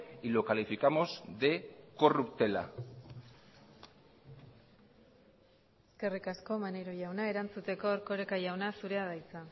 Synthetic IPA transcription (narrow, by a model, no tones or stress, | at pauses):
ilo̞kalifikamo̞zðe̞ko̞rupt̪e̞la̰ | eske̞rikasko̞maneɾo̞ʝawnae̞ɾant͡sut̪e̞ko̞ːɾko̞ɾekaʝawnasuɾe̞aðajt͡sa